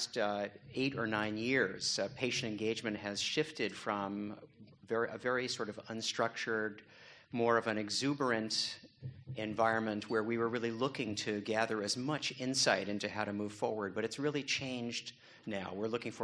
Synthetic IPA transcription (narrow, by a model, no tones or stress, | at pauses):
steɪɾə˞nãɪ̃njɪɹz̥pʰeɪʃɨ̃n̩tɨ̃nɡeɪd͡ʒmɨ̃nʔ̚ɦɨz̥ʃɪftɨd̥fɹʌ̃mvɛɹiʔəvɛɹisɔɹɾʌvə̃nstɹ̥ʌk̚t͡ʃə˞d̚ | mɔɹʌvɨ̃nɨɡzʉbə˞ɨ̃nt | ɨ̃ɱvaɪɹɨ̃nmɨ̃nʔ̚wə˞wiwə˞ɹɪlˠilʊkɪ̃ŋtʰɨɡæðə˞ɨzmʌt͡ʃɪ̃nsaɪɾɪ̃ntʉhaʊɾɨmuv̥fɔɹwə˞d̚bʌɾɨtsɹɪlˠit͡ʃʰẽɪ̃nd͡ʒ | naʊwɪɹlʊkɪ̃ŋfə